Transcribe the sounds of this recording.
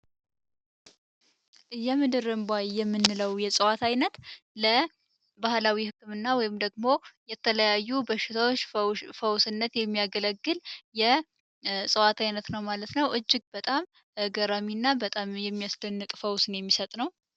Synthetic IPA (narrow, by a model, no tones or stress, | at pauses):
jɛmɨd̪ɨɾɨmbʷajjɛmːɨnːɨləwjɛsʼɨwat̪ʰajnət̪ | lə | bahlawihɨkːɨmɨnːawɔjɪmd̪əɡmo̞jɛt̪ʰələjajːubəʃːɪt̪ʰawot͡ʃːfəwsɨnːət̪jɛmːijaɡələɡːɨljɛ | sʼɨwat̪ʰajnət̪nəwmalət̪nəwʔɨd͡ʒːɪɡ̚bət̪ʼam | ɡəɾaminːabət̪ʼamjɛmːijaslənːɨt̪ʼfəwsnjɛmːisət̪ʼnəw